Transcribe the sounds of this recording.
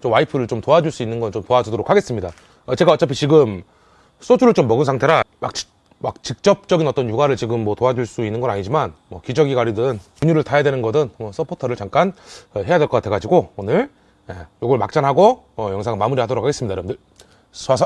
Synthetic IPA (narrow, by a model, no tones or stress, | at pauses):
t͡ɕomwaipʰɯɾɯɭt͡ɕomtoad͡ʑuɭs͈uinːɯnɡʌnt͡ɕomtoad͡ʑudoɾokʰaɡe̞s͈ɯmɲida | ʌt͡ɕe̞ɡaʌt͡ɕ͈apʰit͡ɕiɡɯm | s͈ʰod͡ʑuɾɯɭt͡ɕomːʌɡɯnsʰaŋtʰe̞ɾamak̚t͡ɕi | mak̚t͡ɕik̚t͡ɕ͈ʌp̚t͡ɕ͈ʌɡinʌt͈ʌnjuɡaɾɯɭt͡ɕiɡɯmːʌtoad͡ʑuɭs͈uinːɯnɡʌnaɲid͡ʑimanmʌkid͡ʑʌɡiɡwaɾidɯnkuɲuɾɯɭtʰajadwe̞nɯnɡʌdɯnmʌsʰʌpʰotʰʌɾɯɭt͡ɕaŋk͈anʌɦe̞jadweɭkʌk͈atʰeɡad͡ʑiɡoonɯɭ | jejoɡʌɭmak̚t͡ɕ͈anɦaɡo | ʌjʌŋsʰaŋmamuɾihadoɾokʰaɡesɯmɲidajɾʌbɯndɯɭ | sasʰ